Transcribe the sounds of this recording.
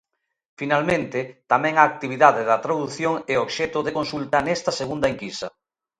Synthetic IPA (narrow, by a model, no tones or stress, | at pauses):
finalmẽnt̪ɪt̪amɛ̃ŋaːk̚t̪iβ̞iðaðeðɐt̪ɾaðuθjoŋɛoβʃɛt̪oðekonsult̪ɐnɛst̪ɐseɣund̪ɐeŋkisɐ